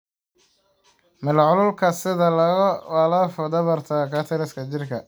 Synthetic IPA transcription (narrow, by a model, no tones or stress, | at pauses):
mɪlʕʊlʊlkʰɐsɪðɐlɐɣɐwɑlɐfɔd̪ɐβɐrt̪ʰɐkʰɐːt̪ʰɐlɪskʰɐt͡ʃɪrkʰɐ